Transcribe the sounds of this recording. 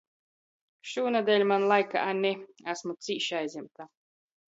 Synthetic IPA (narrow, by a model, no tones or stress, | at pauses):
ʃuːnad̪ʲɛlʲmanlˠajka̰ʔanʲɛæsmut̪siːʃajzʲimt̪a